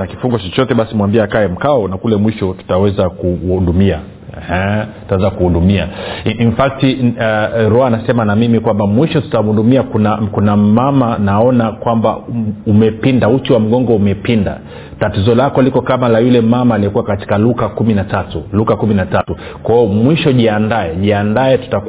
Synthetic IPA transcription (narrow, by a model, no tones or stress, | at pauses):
naki̥fuŋɡɔt͡ʃɔt͡ʃɔtɛɓasimwambiaːkaɛm̩kaɔnakulɛmwiʃɔtu̥tawɛzakuundumia | ɛhɛttawɛzakuhudumia̰ʔinfak̚ti | ɾɔanasɛmanamimikwambamwiʃɔtu̥tamundumiakunakunamamanaɔnakwamba̰umɛpindautiwam̩ɠɔŋɡɔumɛpinda̰ | tatizɔlakɔlikɔkamalajulɛmamaːlijɔkuwakati̥kalukakuminatatulukakuminatatu | kwaɔmwiʃɔʄiandaɛʄiandaɛtu̥tak